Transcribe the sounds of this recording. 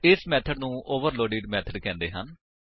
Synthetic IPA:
ɪsmɛːt̪ʰəɖnũːʔoːʋəɾloːɖeːɖmɛːt̪ʰəɖkɛ̃ːnd̪eːɦən

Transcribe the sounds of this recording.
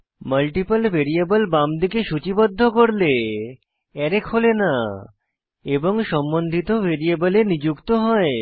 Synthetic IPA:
mɐlʈipəlbʱeɾiabəlbamd̪ikeʃut͡ɕibod̪ʱːokoɾle | ɛɾekholena | eboŋʃɔmbond̪ʱit̪obʱeɾiabəlenid͡ʑukt̪oɦɔe

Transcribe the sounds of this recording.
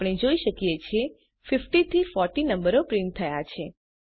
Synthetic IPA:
ɽ̃ed͡ʒoiʃəkijet͡ʃʰe | fɪfʈit̪ʰifɔɾʈinəmbəɾopɾɪ̃nt̪ʰəjat͡ʃʰe

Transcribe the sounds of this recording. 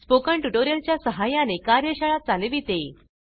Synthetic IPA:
spokəɳʈuʈoɾijəlt͡ɕjasəɦajanekaɾjəɕəɭat͡saleʋiːt̪e

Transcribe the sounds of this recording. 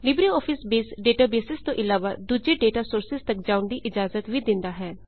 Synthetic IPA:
lɪbɾiɔːpʰɪsbeːsɖeːʈaːbeːsɪst̪õːʔɪlaːʋa̰ːd̪uːd͡ʒeːɖeːʈaːsʊɾsɪzt̪əkd͡ʒaːʊnd̪iːʔɪd͡ʒaːzət̪ʋiːd̪ɪnd̪aːɦɛː

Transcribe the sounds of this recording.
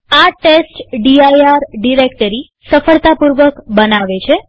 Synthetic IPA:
aʈesʈɖiajaɾɖiɾekʈəɾi | səfəɭt̪apuɾʋəkbənaʋet͡ɕʰe

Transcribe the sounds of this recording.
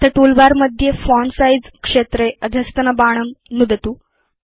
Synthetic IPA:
t̪əʈulbaɾməd̪ʱjefɔɳsajd͡zkʂet̪ɾeəd̪ʱjəst̪ənəbaɽ̃əmnud̪ət̪uː

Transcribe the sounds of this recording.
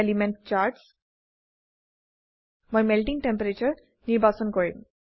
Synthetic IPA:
elimeɳʈt͡ʃaːɾʈs | mɐjmelʈiŋʈempɐɾet͡ʃɐɾ | niɾbʱaːsɔnkoɾim

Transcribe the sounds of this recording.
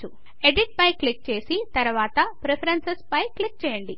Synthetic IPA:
u | e̞ɖiʈ̚pɐjklik̚t͡ʃe̞ːsit̪ɐɾuʋaːt̪ɐpɾepʰɐɾɐnsespɐjklik̚t͡ʃɛːjɐɳɖi

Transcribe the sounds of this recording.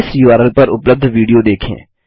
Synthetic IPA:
ɪsjuːaːɾəlpɐɾʊpləb̚d̪ʱʋiːɖijod̪eːkʰḛ̃ː

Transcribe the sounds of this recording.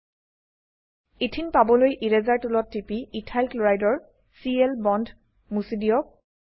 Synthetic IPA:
itʰinpabɔlojʔiɹɛzaɹtulɔtːipiitʰajlkloɹajdɔɹ | siɛlbɔndʱ | musidijɔk̚

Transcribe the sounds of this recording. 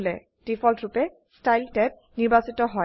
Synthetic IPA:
lɛ | d̥ifʰɔltɹupɛ | stajltɛp̚ | niɹbasitɔɦɔj

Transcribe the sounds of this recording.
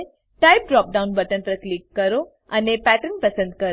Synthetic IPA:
ʈaɪp̚ɖɾɔːp̚ɖaʊ̃nbəʈənpɾəklikːəɾo | anepæʈənpəsə̃nd̪̚kəɾ

